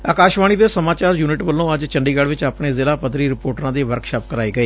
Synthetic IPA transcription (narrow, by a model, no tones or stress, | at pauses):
a̰ːkaːʃʋaːñiːd̪eːsəmaːt͡ʃaːɾjuːnɪʈʋəlːõːəd͡ʒt͡ʃəɳɖiːɡəɽʋɪt͡ʃaːpɳeːzɪlaːpəd̪ɾiːɾɪpoːʈɾãːd̪iːʋəɾkʃaːp̚kəɾaːiːɡəiː